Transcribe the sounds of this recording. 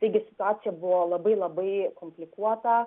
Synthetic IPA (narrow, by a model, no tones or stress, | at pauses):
t̪ɐɪɡʲɪsʲɪ̥t̪ʊaːt̪ʲɪjɛbʊʋoːlˠɐbɐɪlˠɐbɐɪkomʲpʲlʲɪkuɔt̪ɐ